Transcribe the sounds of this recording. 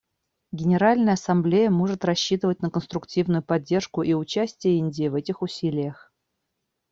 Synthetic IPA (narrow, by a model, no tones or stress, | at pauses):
ɡʲɪnʲɪɾalʲnəjəɐsɐmblʲejəmo̞ʐɨt̪rɐɕːit̪ɨvətʲnəkənst̪ɾʊktʲivnʊjʊpɐdʲːe̞rʂkʊʔiʊt͡ɕæsʲtʲɪjəinʲdʲɪjvɛtʲɪxʊsʲilʲɪjəx